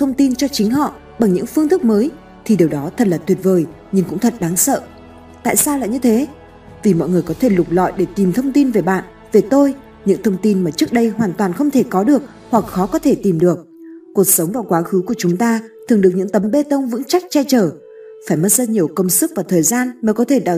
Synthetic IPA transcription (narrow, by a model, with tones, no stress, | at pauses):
t̪ʰə˧wŋ͡mt̪i˧nt͡ɕɔ˧t͡ɕï˨˦ŋ̟ɦɔ̰˧˨ | ɓa˨˩ŋɲɨ̰˧˥ŋfɨ˧əŋt̪ʰɨ˦˥k̚məː˨˦j | t̪ʰi˨˩ɗe˨˩wɗɔ˨˦t̪ʰə˨˩t̚laː˨˩t̪wi˨˩ət̚vəː˨˩j | ɲɨ˧ŋkʊ̰˧˥ŋ͡mt̪ʰə˨˩t̚ɗa˨˦ŋsə̰ː˧˨ | t̪a̰ː˧˨jsaː˧wla̰ː˧˨jɲɨ˧t̪ʰe˨˦ | vi˨˩mɔ̰˧˨jŋɨ˨˩əjkɔ˨˦t̪ʰe˧˩lʊ˨˩k͡p̚lɔ̰˧˨jɗe˧˩t̪i˨˩mt̪ʰə˧wŋ͡mt̪i˧nve˨˩ɓa̰ː˧˨n | ve˨˩t̪o˧j | ɲɨ̰˧˥ŋt̪ʰə˧wŋ͡mt̪i˧nmaː˨˩t͡ɕɨ˦˥ək̚ɗə˧jɦwaː˨˩nt̪waː˨˩nxə˧wŋ͡mt̪ʰe˧˩kɔ˨˦ɗɨ˨˩ək̚ | hwa˨˩k̚xɔ˨˦kɔ˨˦t̪ʰe˧˩t̪i˨˩mɗɨ˨˩ək̚ː | u˨˩ək̚sə˨˦wŋ͡mvaː˨˩wkwaː˨˦xɨ˨˦ku˧˩ət͡ɕʊ˨˦ŋ͡mt̪aː˧t̪ʰɨ˨˩əŋɗək̚ɲɨ̰˧˥ŋt̪ə˨˦mɓe˧t̪ə˧wŋ͡mvɨ̰˧˥ŋt͡ɕa˦˥jk̟̚t͡ɕɛ˧t͡ɕəː˧˩ | faː˧˩jmə˦˥t̚zəː˧ɲi˨˩əwkə˧wŋ͡msɨ˦˥k̚vaː˨˩wt̪ʰəː˨˩jzaː˧nməː˨˦jkɔ˨˦t̪ʰe˧˩ɗa̰ː˧˨˩